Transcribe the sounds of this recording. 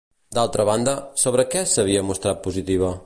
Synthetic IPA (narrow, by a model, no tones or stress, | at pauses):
d̪alˠt̪ɾəβand̪əsoβ̞ɾəkɛsəβ̞iəmust̪ɾat̪̚puzit̪iβ̞ə